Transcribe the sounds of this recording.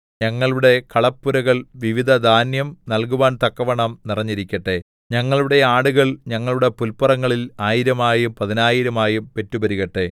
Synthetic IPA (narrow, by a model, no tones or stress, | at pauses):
ɲɐŋːɐɭuɽe̞kɐɭɐpːuɾɐɣɐɭʋiʋid̪ʱɐd̪ʱaːnjɐmnɐlkuʋaːnt̪ɐkːɐʋɐɳɐmnirɐɲːiɾikʲːɐʈːe̞ | ɲɐŋːɐɭuɽe̞aːɽuɣɐɭɲɐŋːɐɭuɽe̞pulpɐrɐŋːɐɭilaːjiɾɐmaːjumpɐðinaːjiɾɐmaːjumpe̞tːubɐɾiɣɐʈːe̞